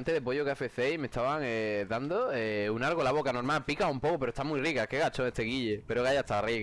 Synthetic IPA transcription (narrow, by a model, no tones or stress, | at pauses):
nt̪eðepoʝokafe̞θe̞ime̞st̪aβaŋeðand̪oeunalɣolaβ̞o̞kano̞ɾmalpikaumpo̞kope̞ɾost̪amwirikake̞ɣat͡ʃoŋest̪eɣiʎepeɾoɣajast̪ariɣ